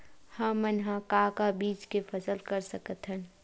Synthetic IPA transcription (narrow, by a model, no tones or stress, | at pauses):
hɐ̃ːənɦãkaːkabiːt͡ʃkefʰɐsəlkəɾsəkət̪ɦə̃n